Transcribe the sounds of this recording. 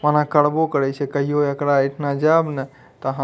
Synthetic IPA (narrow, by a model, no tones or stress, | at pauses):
manakəɽbokəɾɛt͡ʃʰɛkəɦijoekɾaəʈʰnad͡ʒabnɛ | t̪ɔəɦã